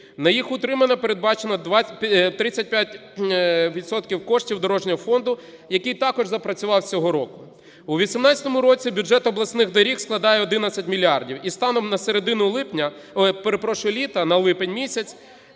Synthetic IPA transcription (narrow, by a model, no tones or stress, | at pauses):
nɐjixʊt̪ɾɪmɐnɐpeɾed̪̚bɑt͡ʃenɐʋt̪ɾɪt͡sʲːɐt̚ʲpʲjatʲ | ʋʲid̪t̪sɔt̪kʲiwkɔʃtʲiwd̪ɔɾɔʒnʲɐɦɔfɔnd̪ʊ | jɐkijt̪ɑkɔʒzɐpɾɐt͡sʲʊʋɑwt͡sʲɔɦɔɾɔkʊ | uʋʲisʲimnɑt͡sʲɐ̥t̪ɔmʊɾɔt͡sʲibʲʊd͡ʒɛt̪ɔblˠɐsnɪɣd̪ɐɾʲixsklˠɐd̪ɑjɛɔd̪ɪnɐt͡sʲɐtʲmʲilʲiɑrdʲiwist̪ɑnɔmnɐseɾed̪ɪnʊlˠɪpnʲɐ | peɾepɾɔʃʊlʲit̪ɐnɐlˠɪpenʲmʲisʲɐt͡sʲ